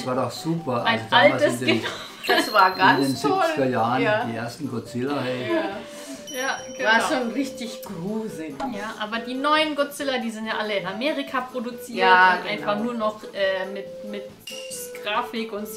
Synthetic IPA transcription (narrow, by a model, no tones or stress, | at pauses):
svaːɐdɔχsuːpɐʔaʔaɪsnd̥altəsdɡ̥ən | dasvaːɐɡandsentzɪɔlslɪɡɐjaːəjḁːiːʔeɐstn̩ɡ̥ɔt͡sɪlɐhɛ | jaːɡ̥əaɐʃoːnʁɪçtɪçɡ̥ʁuːzɪjaːʔaːbɐdiːnɔʏənɡot͡sɪlɐdiːzɪntjaːʔaləɪnameːʁikʰapʁ̥odut͡siːtːɪnʔaɪnfaχnuːɐnɔχʔɛːmɪtmɪt | ɡ̥ʁaːfɪkʊnt